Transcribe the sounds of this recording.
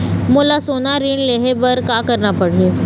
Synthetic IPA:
molasonaɾiɳleɦebəɾkakəɾnapəɽ̤e

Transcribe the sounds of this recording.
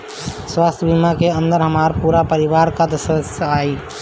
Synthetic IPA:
swast̪ʰjəbʱimakeənd̪əɾɦəmaɾpuːɾapəɾiʋaɾkad̪əsəd̪əsjəai

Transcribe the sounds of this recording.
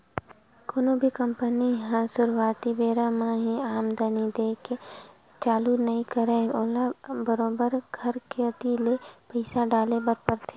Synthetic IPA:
koːnobʱikɐ̃mpəniɦãsʊɾwaːt̪ibeːɾamãɦiaːmd̪ənid̪eːke | t͡ʃaːlunɐĩkəɾẽːoːlabəɾoːbəɾɡʱɐɾkeət̪ilepɐɪsaɖaːlebəɾpəɾt̪ʰe̥

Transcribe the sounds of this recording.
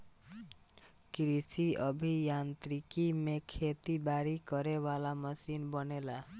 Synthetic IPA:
kɾisiʌbʱijant̪ɾikimekʰet̪ibaɽikɔɾewalamɔsinbɔnela

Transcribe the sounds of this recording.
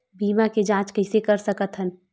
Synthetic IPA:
biːmãked͡ʒãːt͡ʃkɐɪsekɐɾsəkət̪ɦən

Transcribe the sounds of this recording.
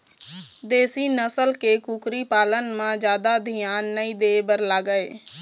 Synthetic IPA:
d̪eːsiːnəsəlkeːkuːkɾiːpaːlənmãːd͡ʒjaːd̪aːd̪ʱijaːnːəĩːd̪eːbəɾlaːɡəeː

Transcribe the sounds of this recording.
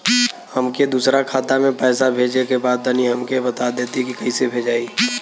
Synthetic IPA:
həmked̪uːsɾakʰaːt̪amẽpɛːsabʱeːd͡ʒekebaːd̪̚ːəniɦɐmkebɐt̪ad̪eːt̪ikikɐisebʱeːd͡ʒaːiː

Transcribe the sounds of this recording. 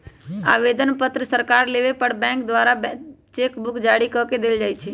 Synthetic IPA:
a̰ʋed̪ənpət̪ɾəsəɾkaɾleʋepəɽbɛ̃kd̪ʋaɾabt͡ʃekbukd͡ʒaɽikɔked̪eld͡ʒajt͡ʃʰɛ

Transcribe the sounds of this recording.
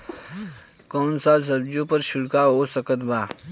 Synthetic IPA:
kɔːnsas̬əbd͡ʒõpəɾʃʊɽkaɦoːsəkət̪baː

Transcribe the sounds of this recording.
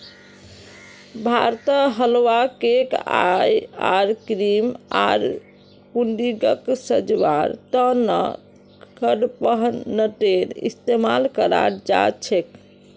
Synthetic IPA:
bʱaɾt̪əɦəlwakeka̰jaɾkɾima̰ɾ | kuɳɖiɡəksəd͡ʒʋaɾt̪ənə̰ | kəɽpəɦnəʈeɾḭst̪emalkəɾa̰ɾd͡ʒa̰t͡ʃʰek

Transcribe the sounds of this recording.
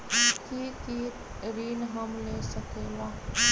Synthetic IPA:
kiki | ɾiːnɦəmleːsəkeːlaː

